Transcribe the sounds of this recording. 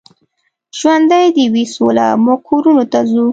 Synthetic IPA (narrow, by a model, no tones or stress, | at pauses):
ʒ̥wand̪ajd̪iwisola̰mokʰoɾunot̪azu